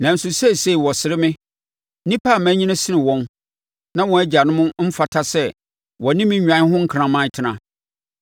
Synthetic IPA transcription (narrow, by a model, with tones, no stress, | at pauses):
nã˨n̩˨sʊ˨sɛ˦˨se˦i˨wɔ˨sɪ˨ɾɪ˦mɪ̃˦ | nĩ˦pʰa˦˨mæ̃˦ɲĩ˦nã˦sɪ˦nɪ̃˨wɔ̃˦n | nã˦wɔ̃˨æ˦d͡ʑa˨nʊ̃˦mʊ̃˦m̩˦fa˨tʰa˦sɛ˦ | wɔ˨˦nɪ̃˦mĩ˦ã˨˦ɦʊ̃˦ŋ̩˦kʰɾã˨mã˦n˦tʰɪ˨nã̰˨